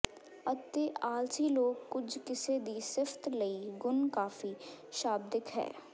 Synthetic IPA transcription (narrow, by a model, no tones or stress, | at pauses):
ət̪eːʔaːlsiːloːɡkːʊd͡ʒkɪseːd̪iːsɪft̪ləiːɡʊnkaːfiːʃaːb̚d̪ɪkʰɦɛ̰ː